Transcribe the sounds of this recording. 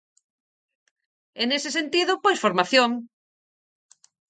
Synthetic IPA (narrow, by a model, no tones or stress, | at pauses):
enesesent̪iðopojsfoɾmaθjoŋ